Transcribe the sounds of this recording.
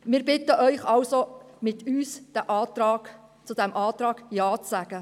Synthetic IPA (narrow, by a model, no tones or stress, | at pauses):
mɪːɾbɪtəʔœʏχɑwsomɪtʰyːsd̥æʔɑːtɾɑːɡ | t͡sʊd̥ɛmʔɑːtɾɑːɡ̥jɑːt͡sːæɡ̥ə